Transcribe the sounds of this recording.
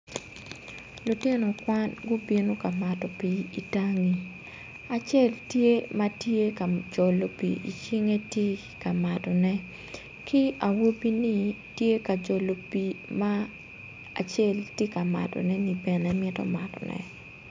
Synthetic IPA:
lu˨tɪ˦nɔ˨kwa˦nɡʊ˦bje˦no˦ka˨ma˨tɔ˨pi˨i˨ta˦ŋi˨ | a˨t͡ʃɛ˦ltje˦ma˦tje˦ka˨d͡ʒɔ˨lo˨pḭ˨ʔi˨t͡ʃi˦ŋe˦tje˦ | ka˨ma˨tɔ˨nɛ˦ | kɪ˦a˨wo˦bi˦nɪ˦ | tje˦ka˨d͡ʒɔ˨lo˨pi˨ma˦ | a˨t͡ʃɛ˦˨ltje˦ka˨ma̰˨tɔ̰˨nɛ˦ni˨bɛ˨nɛ˨mɪ˦tɔ̰˦ma˨tɔ̰˨nɛ̰˨

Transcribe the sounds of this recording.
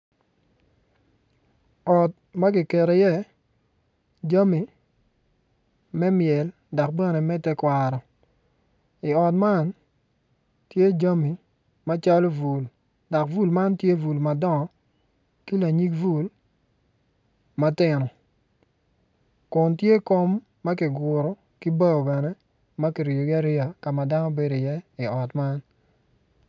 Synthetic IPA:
ɔ˨t̚ | ma˦ɡɪ˨ke˨ɾe˨jɛ˦ | d͡ʒa˦mi˨ | mɛ˦mjɛ˨l | dɔ˨k̚bɛ˦˨ne˨mɛ˦tɛ˦kwa˨ɾɔ˨ | i˨ɔ˨tma˦n | tje˦d͡ʒa˦mi˨ | ma˦t͡ʃa˦lo˦vu˨l | dɔ˨kvu˦lma˦ntje˦vu˨lma˨dɔ˦ŋɔ˨ | ki˦la˨ɲi˦kvu˦˨l | ma˦tɪ˨nɔ˨ | kʊ˨ntje˦ko˦mː | a˦ki˨ɡʊ˨ɾɔ˦ | ki˦ba˦o˨bɛ˨nɛ˦ | ma˦ki˨ɾi˨o˨ɡa˦ɾɪ˦a˨ka˨ma˨da˦nɔ˦be˦do˨jɛ˦ɪ˨ɔ˨tma˦n

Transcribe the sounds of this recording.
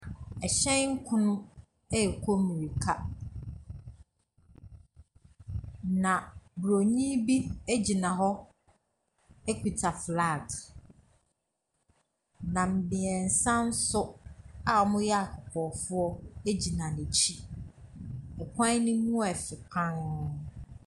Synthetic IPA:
ɛ˨ɕɛ̃˦nŋ̩˦kʰʊ̃˦nʊ̃˦ | ɛ˦˨kʰo˦mĩ˨ɾi˨kʰa˦ | nã˨bɾo˨ɲĩ˦bi˦e˦d͡ʑi˨nã˨ɦɔ˦ | e˦kʰi˨tʰa˨fɾaː˦˨d | nã˨m̩˨bɪ̃˨ɛ˨n̩˨sã˦n̩˦sʊ˦a˨ɔ˨˦mʊ̃˦jɛ˦a˨kʰʊ˨kʰɔ˨fʊ˦ɔ˦e˦d͡ʑi˨nã˨nẽ˨t͡ɕʰi˦ | ɛ˨kʰʷã˦nɪ̃˦mũ˦ɛ˨fɪ˨pʰã˦n˦

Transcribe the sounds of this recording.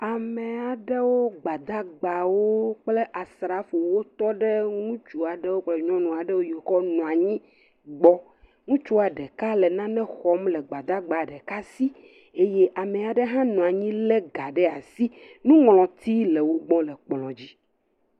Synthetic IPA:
a˨mẽ˨a˨ɖe˦wo˦ɡ͡ba˨d̪a˦ɡ͡ba˨wo˦k͡ple˦ʔa˨sɾa˨fo˨wo˦t̪ɔ˦ɖɛ˦ŋũ˦t͡ʃu˦a˨ɖe˦wo˦k͡plɛ˦ɲɔ̃˦nũ˨a˨ɖɛ˦wo˦je˨xɔ˦nũ˨a˨ɲĩ˦ | ɡ͡bɔ˦ | ŋũ˦t͡ʃu˦a˨ɖɛ˨ka˦lɛ˨nã˦nɛ̃˦xɔ˦mlɛ˨ɡ͡ba˨d̪a˦ɡ͡ba˨ɖɛ˨ka˦si˦ | e˦je˦ʔa˨mẽ˨a˨ɖɛ˦ɦã˦nũ˨a˨ɲĩ˦le˦ɡa˨ɖɛ˦a˨si˦nũ˦ŋlɔ̃˨t̪i˦le˨wo˦ɡ͡bɔ̃˦lɛ˨k͡plɔ̃˨d͡ʑi˦

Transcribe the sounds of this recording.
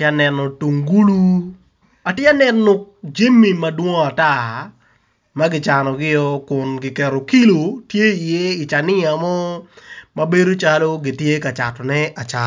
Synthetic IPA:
tja˦nɛ˨nɔ˨tu˨ŋɡu˦lu˦ | a˨tja˦nɛ˨nʊ˨k̚d͡ʒe˦mi˨ma˦dwɔ˦ŋ˦a˨ta˦˨ | ma˦ɡɪ˦t͡ʃa˨nɔ˨ɡɪ˦jɔ˦kʊ˨nɡɪ˨kɛ˨ɾo˨ki˦lo˨tje˦i˨je˦i˨t͡ʃa˨nɪ˦a˨mɔ˦ma˦be˦do˦t͡ʃa˦lo˦ɡɪ˨tje˦ka˨t͡ʃa˨tɔ˨nɛ˦a˨t͡ʃa˨

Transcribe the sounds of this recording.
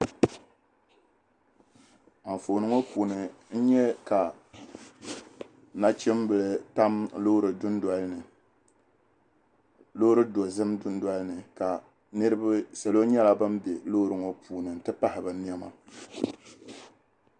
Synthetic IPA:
a˨ɱ˨fo˨nɨ˦ŋo˦puː˨nɨ˨n̩˦ɲɛ˦ka˨ | na˦t͡ʃɪ˦mbɨ˨lɨ˨ta˦mlo˦ɾɨ˨dʊ˦nda˦lnɨ˨ | lo˦ʊ˦ɾɨ˦do˨zɨ˦mdʊ˦n˦dwa˦lnɨ˨ka˨ | nɨ˦ɾɨ˦ba˦sa˨lo˦ɲɛ˦la˦bɨ˦m˦be˨lo˦ɾɨ˨ŋo˦pʰuː˨nɨ˨n̩˨tɨ˦pa˦hɪ˨ba˨ni˦ɛ˦ma̰˨

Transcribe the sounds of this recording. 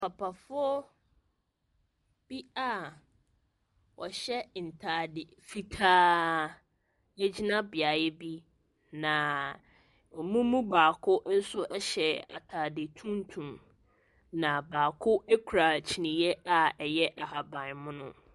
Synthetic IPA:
pʰa˨pʰa˨fʊ˦ɔ˦ | b̥i˦a˦˨ | wɔ˨ɕɛ˦n̩˨tʰaː˨dɪ˨fi˦tʰaː˦ | ɛ˦d͡ʑi˦nã˦bɪ˨a˨jɛ˦bi˦ | nã˨ | ɔ˨mũ˦mũ˦baː˨kʰʊ˦n̩˦sʊ˦ʔɛ˦ɕɛ˨a̰˨tʰaː˨dɪ˨tʰũ˦n˦tʰũ˨m | nã˨baː˨kʰʊ˦e˦kʰu˨ɾa˨t͡ɕʰi˨nĩ˨jɛ˦a˦ɛ˨jɛ˦ʔa˨ɦa˨bã˨mʊ̃˦nʊ̃˦

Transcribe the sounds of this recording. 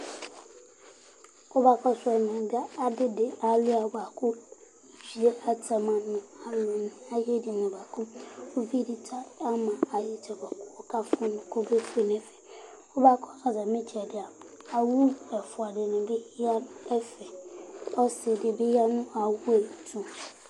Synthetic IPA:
ʊ˦ba˦kʰɔ˦sɛ˨n˨ã˨dɪ˦a˦a˨dɪ˦dɪ˨a˨lɪ˦a˨ba˨kʰʊ˦˨ | si˨e˦a˨tʰa˨mã˨nʊ̃˦˨a˨lʊ̃˨nʊ̃˨a˦jɛ˦dɪ˨nʊ̃˨ba˨kʰʊ̃˦o˦fi˦dɪ˨tʰa˦a˦mã˨a˨jɪ˦tʰɛ˨ba˨kʰʊ˦ɔ˦kʰa˦fʊ̃˦nʊ̃˨kʰo˦be˦pʰe˦n˨ɛ˨fɛ˨ | ʊ˦ba˦kʰɔ˦a˨za˨mɪ̃˦t͡ɕʰɛ˨dɪ˨a˨ | a˨wu˦ɛ˨fʊ˨a˨dɪ˨nʊ̃˨be˦hi˦a˦nʊ̃˦ɛ˦fɛ˨ɔ˦sɪ˨dɪ˨be˦ja˦nʊ̃˦a˨wu˦e˨tʰũ˦

